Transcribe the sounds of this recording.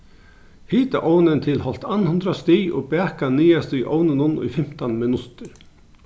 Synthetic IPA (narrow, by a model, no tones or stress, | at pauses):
hiːt̪aʔoːwnɪnt̪ʰɪlhɔl̥t̪anhʉnd̪ɾast̪iːjɔ̰ːbɛːkaniːast̪ʏʔownɪnʊnʊ̰jfɪm̥t̪anmɪnʉt̪ɪɾ